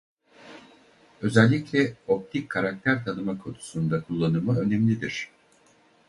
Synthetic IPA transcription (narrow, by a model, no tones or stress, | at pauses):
ø̞zɛlʲːiclʲɛo̞p̚t̪ʰikʰːaɾak̚t̪ʰæɾt̪ʰanɯmakʰo̞nu̥sund̪akʰulˠːanɯmaø̞nɛmlʲid̪iɾ̝̥